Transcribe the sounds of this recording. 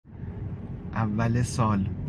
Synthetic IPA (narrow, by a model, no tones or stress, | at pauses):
ʔævːælesɒːl